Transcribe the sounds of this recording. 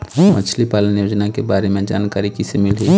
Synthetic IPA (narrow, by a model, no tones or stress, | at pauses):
mʔət͡ʃʰlipaːlənjoːd͡ʒnakebaːɾemẽd͡ʒaːnkaːɾikisemɪlɦi